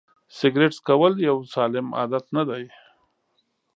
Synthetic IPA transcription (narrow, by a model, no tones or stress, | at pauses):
sɪɡɾeʈskawəljawsɑːlɪmɑ̰ːd̪at̪nad̪aj